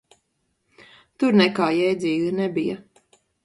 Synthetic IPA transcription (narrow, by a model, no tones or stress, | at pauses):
t̪uɾnɛkaːjɛjd̪zʲiːɡanɛbijɐ